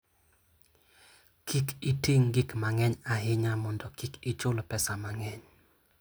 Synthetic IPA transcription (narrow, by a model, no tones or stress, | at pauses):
kikʰitiŋɡɪkmaŋɛɲaɦɪɲamɔndɔkikit͡ʃʊlpɛsamaŋɛɲ